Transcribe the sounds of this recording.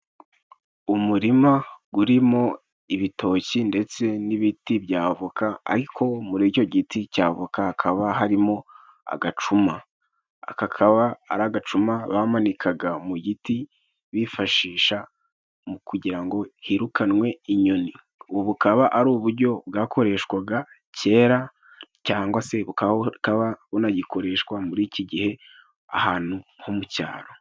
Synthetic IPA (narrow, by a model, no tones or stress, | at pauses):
umuɾimaɡuɾimo̞ | iβitʰo̞ːcinde̞t͡se̞niβitibjaːβokʰaa̰ɾikʰo̞muɾico̞ɟiticaːβokahakʰaβaɦaɾimo̞ | a̰ɡat͡ʃuma | a̰kakʰaβaːɾaɡat͡ʃumaβamanikʰaɡamuɟiti | βifaʃiːʃa | mukuɟiɾaŋɡo̞hiɾukʰanwe̞iɲo̞ni | uβoβukaβaʔaɾuːβuɾɟo̞bɡaːkʰo̞ɾe̞ʃkwaɡa | ce̞ːɾa | caːŋɡwase̞βukaβkaβaβunaɟiko̞ɾe̞ʃkwamuɾiːciɟihe̞ | a̰haːn̥uhomuca̰ːɾo̞